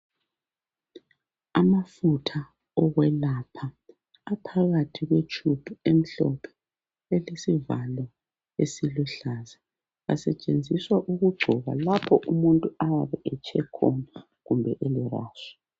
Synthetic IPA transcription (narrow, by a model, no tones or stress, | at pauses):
amafutʰa | ɔɣwɛlapʰaː | pʰaɣatʰiɣwet͡ʃʰʼupʰiem̩ɬɔpʰɛ̥ | elesivalɔ | esiluɬaza | a̰sɛt͡ʃʼend͡zʱiswaʔuɣuɡ͡ǀʱɔɣa̰lapʰɔʔumuntʼuajaβɛʔɛt͡ʃʼʰɛkʰɔna | ɣumbʱɛʔelɛra̰ːʃɔ̥